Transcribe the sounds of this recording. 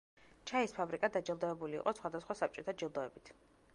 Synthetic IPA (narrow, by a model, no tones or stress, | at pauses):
t͡ʃʰaispʰabɾikʼad̪ad͡ʒilˠd̪ɔɛbulḭːqʼɔsχwad̪asχwasap̚t͡ʃʼɔt̪ʰad͡ʒilˠd̪ɔɛbit̪ʰ